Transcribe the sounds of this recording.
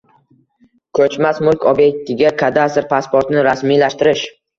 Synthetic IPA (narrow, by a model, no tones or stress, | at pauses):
kʰɵt͡ʃmasmʊlˠkʲʰɒbje̞k̚t̪ʰɪɡʲakʰad̪ast̪ɪɾpʰaspoɾt̪ɪnɪɾasmilaʃt̪ɪɾɪʃ